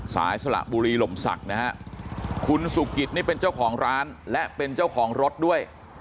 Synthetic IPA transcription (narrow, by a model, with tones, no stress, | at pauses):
sa̰ː˩˦jsa˧la̰˨˩ʔbuː˧ɾiː˧lo˨˩msa̰˨˩k̚na˦˥hʰa˦˥ʔkʰu˧nsu˨˩ki˨˩t̪̚niː˥˩pe˧nt͡ɕa˥˩wkʰɔː˩˦ŋɾaː˦˥nlɛ˦˥ʔpe˧nt͡ɕaː˥˩wkʰɔː˩˦ŋɾo˦˥t̪̚du˥˩əj